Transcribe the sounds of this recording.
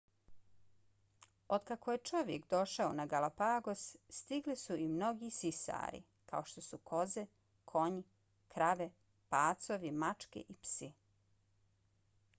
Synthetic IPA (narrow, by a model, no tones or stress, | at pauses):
od̪kakoje̞t͡ʃo̞ʋjekd̪o̞ʃaonaɡalapaːɡo̞sst̪iɡlisuimno̞ɡisisa̰ːɾḭ | ka̰oʃt̪o̞sukʰo̞ze | kʰo̞ɲi | kɾaʋe | paːt̪so̞ʋimat͡ʂkḛʔipsi